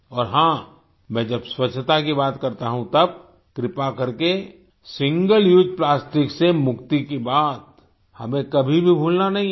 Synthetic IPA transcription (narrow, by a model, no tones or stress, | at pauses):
ɔːɾɦãː | mɛ̃ːd͡ʒɐbswɐt͡ʃʰt̪akibaːt̪kɐɾt̪aɦũt̪ɐb̚ | kɾɪpakɐɾke | sɪ̃ŋɡəljuːd͡ʒplaːsʈɪksemʊkt̪ikibaːt̪̚ | hɐmẽkɐbʱibʱibʱuːlnanɐɦĩ